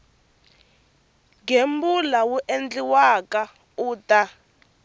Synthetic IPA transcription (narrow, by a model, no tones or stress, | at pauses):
ŋɡembulawuʔend͡ɮiwaka | uːtʼa